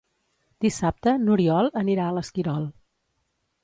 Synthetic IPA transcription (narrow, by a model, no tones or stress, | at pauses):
d̪̥isap̚t̪ənuɾiɔlˠəniɾaələskiɾɔlˠ